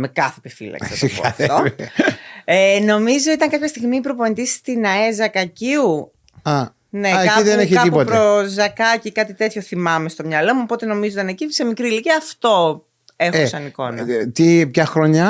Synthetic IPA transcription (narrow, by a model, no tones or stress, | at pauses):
mekɐθepifḭlɐ̰kɐsipkɐɐfet̪o | eno̞mizo̞it̪ɐŋkɐpçɐst̪iɣmiːpɾo̞pont̪ist̪inɐezɐkɐciu | ɐ | neekkɐiðenneçitkɐiupot̪pɾozɐkɐcikɐt̪it̪et̪ço̞θimɐmest̪o̞mɲɐlo̞muopo̞t̪e̞no̞mizot̪ɐnecise̞mikɾiliciɐft̪o̞ | e̞xosɐniko̞̰nɐ̰t̪ipçɐxɾoɲɐ